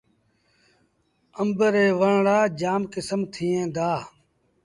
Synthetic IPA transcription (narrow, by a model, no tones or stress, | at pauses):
əmbəɾeːʋəɳɽaːd͡ʒaːmkɪsəmt̪ʰiːẽːd̪aː